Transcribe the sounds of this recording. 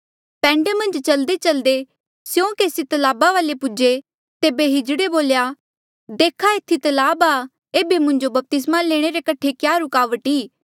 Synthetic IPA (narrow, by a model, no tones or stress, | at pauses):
pɛ̃ːɳɖemɐ̃nd͡ʒt͡ʃɐld̪et͡ʃɐld̪e | sjõːkeːsit̪ɐlaːbaʋaːlepʊd͡ʒe | t̪eːbeɦɪd͡ʒɽeboːljaː | d̪eːkʰaet̪ʰːit̪ɐlaːbaː | eːbemʊ̃ɲd͡ʒobɐp̚t̪ɪs̬maleːɽ̃eɾekɐʈʰekjaːɾʊkaːʋəʈiː